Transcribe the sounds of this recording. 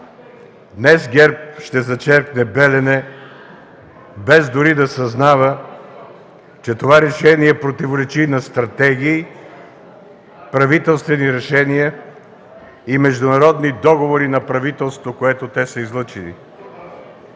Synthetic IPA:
d̪nɛsɡʲɛɾp̚ʃt̪ɛzɐt͡ʃɛɾknɛbɛlɛnɛ | bɛzd̪ʊɾid̪ɐsɐznavə | t͡ʃɛt̪ovaɾɛʃɛniɛpɾot̪ivoɾɛt͡ʃinɐst̪ɾɐt̪ɛɡʲiː | pɾɐvit̪ɛlˠst̪vɛniɾɛʃɛnijə | imɛʒd̪ʊnɐɾɔd̪nid̪ɔɡovoɾinɐpɾɐvit̪ɛlˠst̪vokoɛt̪ot̪ɛsəizlˠɤt͡ʃilḭ

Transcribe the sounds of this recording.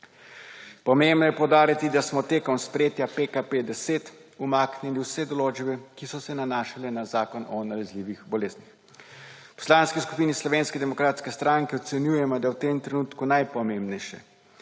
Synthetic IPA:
pɔmembnɔjɛpɔwd̪aːɾat̪id̪asmɔt̪eːkɔmspɾjeːt̪japekaped̪ɛseːt̪umaːkniliwsɛd̪ɔloːd͡ʒbɛkisɔsɛnanaːʃalɛnazaːkɔnɔnalɛzliːʋixbɔleːznix | pɔ̥slaːnskisku̥piːnislɔʋeːnskɛd̪ɛmɔkɾaːt̪skɛst̪ɾaŋkɛɔt̪sɛnjujɛmɔd̪awt̪eːmt̪ɾɛnuːt̪kunajpɔmembnɛjʃɛ̰

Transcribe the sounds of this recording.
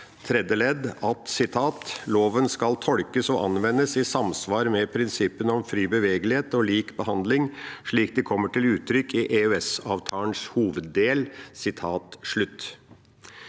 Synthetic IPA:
t̪ʰɾɛd̪əlɛd̪ɑt̪sɪt̪ʰɑːt̪loːʋənskɑlt̪ʰɔɽkəsɔʔɑ̰nʋɛnːəsɪsɑmsʋɑːɾmɛpʰɾɪnsɪpːənɔmfɾiːbəʋeːɡəlɪheːt̪ɔliːkbəhɑnd̪lɪŋʂɭiːk̚d̪ɪkʰɔmːəʈɪlʉːt̪ʰːɾʏkːɪʔeœɛsɑːʋt̪ʰɑːəɳʂhuːʋəd̪ːeːlsɪt̪ʰɑːt̪ʂɭʉt̪ː

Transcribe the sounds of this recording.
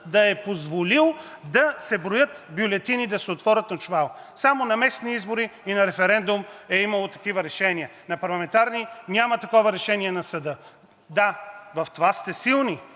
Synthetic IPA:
d̪ɐɛpozvolilˠd̪ɐsɛbɾojət̪bjʊlɛt̪inid̪ɐsɛot̪vɔɾʲət̪nɐt͡ʃvalˠ | samonɐmɛsniizboɾiinɐɾɛfɛɾɛnd̪umɛiməlˠot̪ɐ̥kivɐɾɛʃɛniənɐpɐɾlˠɐmɛnt̪aɾninʲamɐt̪ɐkɔvɐɾɛʃɛniɛnɐsɐd̪ɤ | d̪avɐft̪ovast̪ɛsilˠni

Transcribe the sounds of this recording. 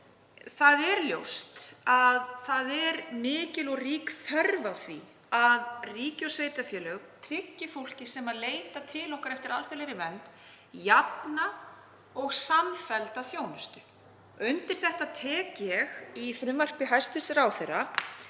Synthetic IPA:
θaðɛɾljowst̪aðθaðɛɾmɪːcɪlɔɣriːkθɛɾvaθvḭ | aðriːcɔsveːjt̪afjɛːlœkt̪ʰɾɪcːɪfowl̥cɪsɛmaðleːjt̪at̪ʰɪlɔwkaɾɛft̪ɪɾalfɛleɾɪvɛnt̪ | jat̪na | ɔɣsamfɛlt̪aθjoːwnʏst̪ʏ̥ | ʏnt̪ɪɾ̥θɛht̪aðt̪ʰɛːcɛɣiθɾʏmvar̥pɪɦajst̪vɪsɪɾawθejrːa

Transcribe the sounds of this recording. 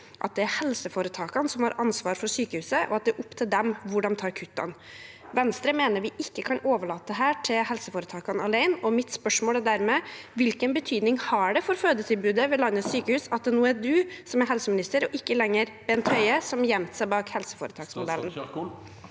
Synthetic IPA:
ʔɑt̪̚d̪ɛæɾhɛlsəfoːɾət̪ʰɑːkɑnsɔmhɑɾʔɑnsʋɑːɾfɔɾʂyːkəhʉːsəʔɔ̰ɑt̪̚d̪ɛɾʔʊpːt̪ʰɪld̪ɛmʋʊɖɑnt̪ʰɑːɾkʰʉt̪ːɑ̰n | ʋɛnst̪ɾəmeːnəɾʋɪʔɪkːəkʰɑnoːʋəɭɑːt̪ːəɦæːʈʰɪlhɛlsəfoːɾət̪ʰɑːkɑnɑlæɪnɔmɪt̪spœʂmoːlæɖ̪æɾmɛʋɪlkənbət̪ʰyːd̪nɪŋhɑɖɛfɔɾføːd̪ət̪ʰɪlbʉːd̪əʋɛlɑnːəsyːkəhʉːsɑt̪̚d̪ɛnuːəæɖʉsɔmæɾɦɛlsəmɪnɪst̪əɾɔʔɪkːəlɛŋːəɾb̥ɛnt̪ʰœʏəsɔmjɛmt̪sæɪbɑːkhɛlsə̥foːɾət̪ɑːksmʊd̪ɛlːən

